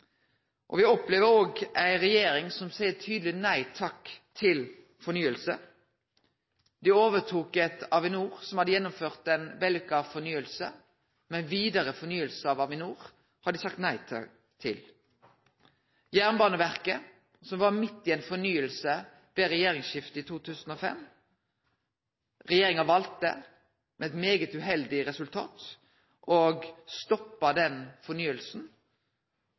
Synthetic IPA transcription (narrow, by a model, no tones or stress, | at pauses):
ʔɔ̰ʋɪɔpleːʋəɾoːɡæɪʁɛjeːɾɪŋsɔmsæɪət̪ʰyːd̪l̩ɪnæɪt̪ʰɑkt̪ʰɪl | fɔɾnyːəlsə | d̪ɪoːʋət̪ʰuːkɛt̪ɑʋɪnuːʁsɔmhɑd̪əjɛnːʊmføːʁt̪ɛnʋɛlɪkɑfɔʁnyːəlsə̰ | mɛnʋiːd̪əʁəfɔɾnyːəlsəɑʋɑʋɪnuːʁ | hɑd̪ɪsɑk̚t̪næɪt̪ʰɑ̰ | t̪ʰɪ̰l | jæːʁnbɑːnəʋæʁkə | sɔmʋɑɾmɪt̪ːɪɛnfɔnyːəlsə | ʋɛʁɛjeːʁɪŋsʃɪft̪əit̪ʰuːt̪ʰʉːsən̩oːfɛ̰m | ʁɛjeːɾɪŋɑʋɑlt̪ə̰ | mʔɛɛt̪meːɡət̪ʉɦɛld̪ɪɾɛsʉlt̪ʰɑ̰ːt̪ | ʔoːɡst̪ɔpːɑd̪ɛnfɔnyːəlsn̩